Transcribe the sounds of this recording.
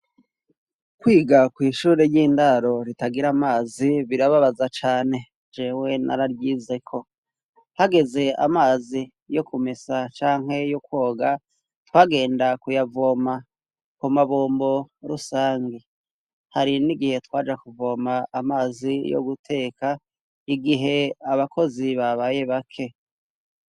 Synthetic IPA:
kwiːɡakwiːʃuːɾeɾjiːndaɾo̞ɾitaɡiɾamaːziβiɾaβaβazat͡ʃaːne̞ | d͡ʒewe̞na̰ɾaɾɡiːze̞kʰo̞ | haɡe̞ze̞a̰maːzi | jo̞kumesat͡ʃaːŋ̥he̞jokwo̞ːɡa | twaːɡe̞ːndakujavoma | kumaβoːmbo̞ɾusaːŋɡe | haɾiniɡihe̞twaːd͡ʒakuvo̞maːmaːzijo̰ɡutʰe̞ːkʰa | iɡiɦe̞aβako̞ziβaβaje̞βakʰe̞

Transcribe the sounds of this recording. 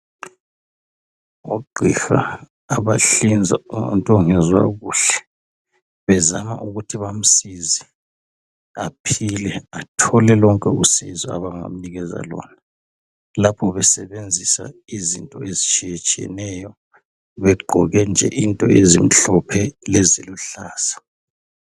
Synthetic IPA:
oɡ͡ǃʱixa̰ː | βaɬind͡zʱa̰ntʼɔŋɛzwa̰ɣuːɬɛ̥ | βɛzama̰ʔuɣutʰiβam̩sizi | apʰilɛatʰɔlɛlɔŋkʼɛusizɔa̰βaŋa̰m̩niɣɛza̰lɔ̰ːna | lapʰɔβɛsɛβend͡zʱisa̰izintʼɔezit͡ʃʼijɛt͡ʃʼɛ̰nɛjɔ | βɛɡ͡ǃʱɔɣɛnd͡ʒʱɛʔintʼɔezim̩ɬɔpʰɛleziluɬaːsḁ

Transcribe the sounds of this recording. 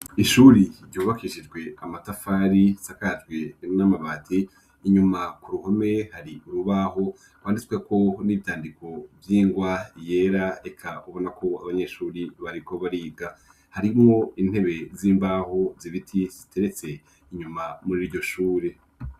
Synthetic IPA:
iʃuːɾiɾɟuːβakiʃid͡ʒɡwe̞amatafaːɾisakad͡ʒɡwenamaβaːtʰiː | ɲumakuɾuho̞me̞haɾiuɾuβaho̞ | kwaːndit͡sikweko̞niβitaːndiko̞vjiːŋɡwaje̞ːɾaekʰauβo̞nakʰo̞a̰βaɲe̞ʃuːɾiβaɾiko̞βaɾiːɡa | haɾimŋo̞in̥he̞βe̞ziːmbaːho̞ziβitʰiz̥itʰe̞ɾe̞t͡se̞ | iɲumamuɾiɾɟo̞ʃuːɾe

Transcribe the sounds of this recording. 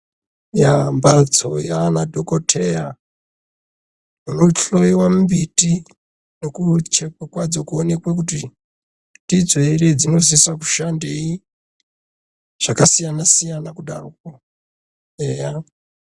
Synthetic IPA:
jambalt͡sʰojanadʱokotʰeja | munoɬoiwambiti | nokut͡ʃekekwad͡zo̞kuone̞kwekuti | tid͡zeired͡zino̞s̬iswaku̥ʃandei | ʐ̥akasijanasijanakuɗa̰ruk̚o | eja

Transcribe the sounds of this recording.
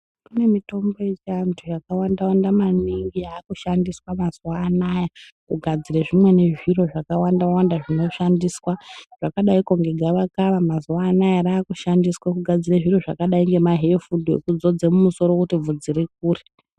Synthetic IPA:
kune̞mito̞mbo̞jet͡ʃiantʰujakawandawandamaniŋɡiaːkuʃandiswamazwaːnaja | kuɡʱad͡zireʐimwe̞ne̞ʐiro̞ʐakawandawandaʐino̞ʃandiːswaʐ̥akaɗaiko̞ŋɡe̞ɡʱaʋakaʋamazuwaːnajaɾaːkuʃandiswakuɡʱad͡zireʐiro̞ʐakaɗaiŋɡe̞maɦefudḛkud͡zo̞d͡zemumuso̞ɾokutivud͡ziɾik̚uːre

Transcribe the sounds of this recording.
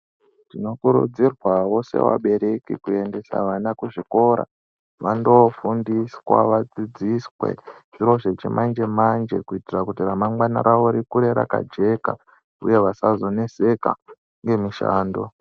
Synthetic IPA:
tino̞kuɾṵd͡zirwawo̞se̞̰wa̰ɓe̞ɾe̞kḭkue̞nde̞sa̰ʋanakuʐiko̞ɾa̰ | ʋando̞fundiswa̰ʋad͡zid͡ziswe̞̰ʐ̥iro̞ʐe̞t͡ʃimʔand͡ʒe̞mand͡ʒe̞̰kuitirakutiramaŋɡwana̰ɾaʋoɾikuɾe̞ɾa̰ka̰d͡ʒe̞ka̰ | ṵje̞ʋasazo̞ne̞se̞ka̰ | ŋɡe̞miʃa̰ːndo

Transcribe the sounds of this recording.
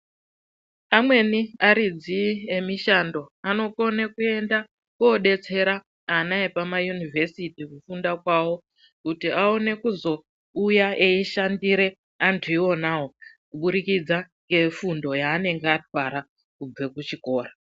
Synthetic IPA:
amwe̞niaɾid͡ziemiʃando̞ano̞ko̞nekue̞nda | koɗe̞t͡se̞ɾa | anaepamajunivʱe̞sitikufundakwawo̞ | kutiao̞ne̞kuzo̞ | ujaʔeiʃandiɾe̞ | antʰuiwo̞nawo̞ | kuɓuɾikid͡zaŋɡe̞fundo̞jaːne̞ŋɡeat̚waɾa | kub͡ve̞kut͡ʃiko̞ːra

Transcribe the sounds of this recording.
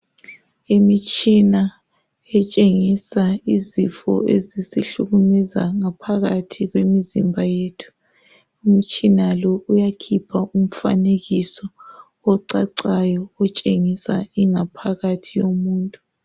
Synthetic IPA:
imit͡ʃʼina | ɛt͡ʃʼeŋisaizifɔ̰ezisiɬuɣumɛza̰ŋapʰaɣatʰiɣwemizimbʱajeːtʰu̥ | um̩t͡ʃʼinalɔujakʰipʰaʔum̩fa̰neɣisɔ | ɔǀaǀajɔːt͡ʃʼeŋisa̰iŋapʰaɣatʰijomuːntʼu

